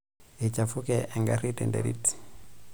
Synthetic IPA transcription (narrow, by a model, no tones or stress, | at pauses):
et͡ʃafukɛʔɛŋɡaɾitɛ̰ndɛ̰ɾḭti̥